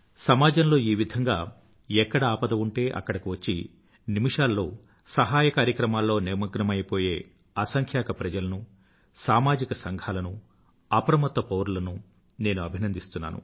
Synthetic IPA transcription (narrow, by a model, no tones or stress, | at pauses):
sɐmaːd͡ʒɐnlo̞ːiːʋid̪ʱɐŋɡa̰ː | ɛkːɐɽɐaːpɐd̪ɐuɳʈe̞ːʔɐ̰kːɐɽɐkiʋɐt͡ʃːḭ | nimiʂaːlːo̞ː | sɐɦaːjɐkaːɾjɐkɾɐmaːlːo̞ːniɾmɐɡnɐmɐjɐpo̞ːje̞ː | ɐsɐŋkʰjaːkɐpɾɐd͡ʒɐlɐnu | saːmaːd͡ʒikɐsɐŋɡʱaːlɐnu | ɐpɐɾɐmɐt̪ʋɐpowɾulɐnu | ne̞ːnuɐbʱinɐnd̪ʱist̪unːa̰ːnṵ